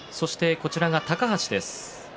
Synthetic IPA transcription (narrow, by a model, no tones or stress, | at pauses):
so̞ɕi̥t̪e̞ko̞t͡ɕiɾaɡat̪akaɦat͡ɕid̪e̞sɨ̥